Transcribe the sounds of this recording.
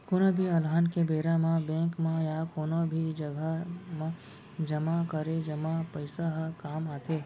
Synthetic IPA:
koːnobʱiɐlɦaːnkebeːɾamãbɛ̃ːŋkmãjakoːnobʱid͡ʒəɡʱəmã | d͡ʒɐmakəɾed͡ʒəmapəɪsaɦkaːmaːt̪ʰeː

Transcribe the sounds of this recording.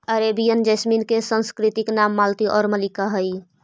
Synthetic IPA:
əɾebijənd͡ʒəsminkesə̃nskɾit̪iknamːalt̪iʔɔːɾməlikaɦəj

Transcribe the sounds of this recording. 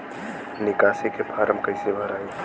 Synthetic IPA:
nɪkaːsekepʰaːɾəmkɐɪsebʱɐɾaːo

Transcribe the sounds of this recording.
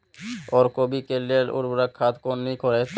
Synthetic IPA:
ɔːɾkobikelelʊ̰ɾbɾakʰːat̪konnĩkoɾet̪

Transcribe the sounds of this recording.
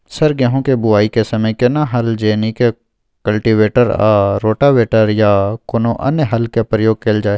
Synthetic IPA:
sɐɾɡɛɦõkebʊaːikesɐməjkenaɦɐld͡ʒeːnike | kɐlʈiʋeːʈəɾaːɾoːʈaʋeːʈəɾjakonõʔɐ̰njəɦɐlkepɾəjoːɡ̚keːld͡ʒaːeː

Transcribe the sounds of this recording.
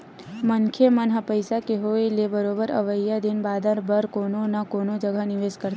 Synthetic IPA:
məŋkʰjemənɦapəjsakeɦoelebəɾobəɾə̰ʋəjːad̪inbad̪ʱaɾbəɾkononakonod͡ʒəɡʱaniʋeskəɾt̪

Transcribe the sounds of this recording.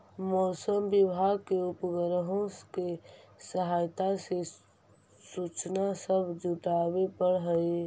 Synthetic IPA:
mɔːsəmbɪbʱaːɡkeʊpɡəɾəɦõkesəɦaːjt̪ase | sut͡ʃnasəbʱd͡ʒuʈaːwepəɽɦəi

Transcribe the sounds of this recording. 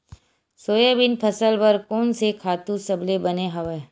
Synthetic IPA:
soːjəbɪnpʰɐsəlbɐɾkoːnsekʰaːt̪ũsɐblebɐneɦɐʋeː

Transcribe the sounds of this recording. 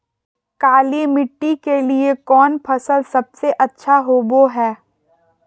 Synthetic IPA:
kaːliemɪʈːikeliekɔːnpʰɐsəlsɐb̚seʔɐtːʃʰaɦoːboɦɛː

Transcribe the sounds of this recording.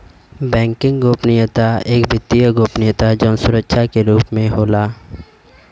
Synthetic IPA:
bɛ̃ːŋkɪ̃ŋɡɡoːpnɪjət̪aeːkbʱɪt̪ːijəɡoːpnɪjət̪ad͡ʒɔːnsʊɾəkʃʰakeɾuːpmẽɦoːlaː

